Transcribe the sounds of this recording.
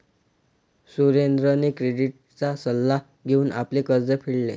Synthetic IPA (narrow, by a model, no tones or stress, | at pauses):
suɾend̪ɾənekɾeɖiʈ̚ | t͡sasəlːa | ɡʱeuːnʔa̰plekəɾd͡zəpʰiɭle